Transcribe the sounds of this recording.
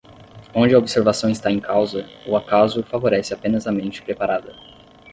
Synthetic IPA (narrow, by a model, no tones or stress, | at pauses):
õd͡ʒɪɐobiseɾvasɐ̃w̃ɪst̪aẽkawzɐ | ʊakazʊfavoɾɛsɪapẽnɐzɐmẽnt͡ʃɪ̥pɾepaɾad̪ɐ